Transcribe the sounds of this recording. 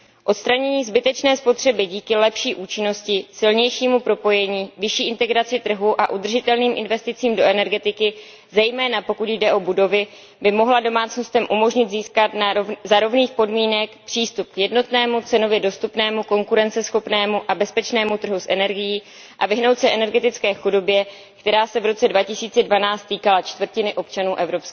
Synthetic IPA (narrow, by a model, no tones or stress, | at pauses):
ʔo̞t̪st̪ɾaɲɛɲiːzbɪt̪ɛt͡ʃnɛːspo̞t̪r̝̥ɛbɪɟiːkɪlɛpʃiːʔuːt͡ʃɪno̞scɪsɪlɲɛjʃiːmupɾo̞po̞jɛɲiːvɪʃiːʔɪnt̪ɛɡɾat͡sɪt̪r̩ɦuʔaʔud̪r̩ʒɪt̪ɛlniːmʔɪ̰nvɛst̪ɪt͡siːmdo̞ʔɛnɛɾɡɛt̪ɪkɪ | zɛjmɛːnapo̞kut̪jdɛʔo̞budo̞vɪ | bɪmo̞ɦlado̞maːt͡sno̞st̪ɛmʔumo̞ʒɲɪd̪ziːskat̪zaɾo̞vniːxpo̞dmiːnɛkpr̥iːst̪up̚kjɛdno̞t̪nɛːmut͡sɛno̞vjɛdo̞st̪upnɛːmuko̞ŋkuɾɛnt͡sɛsxo̞pnɛːmuʔabɛspɛt͡ʃnɛːmut̪r̩ɦusʔɛnɛɾɡɪjiː | ʔavɪɦnowt̪sɛʔɛnɛɾɡɛt̪ɪt͡skɛːxudo̞bjɛ | kt̪ɛɾaːsɛvɾo̞t͡sɛdvacɪsiːt͡sɛdvanaːt͡st̪ːiːkalat͡ʃt̪vr̩cɪnɪʔo̞pt͡ʃanuːʔɛvɾo̞pskː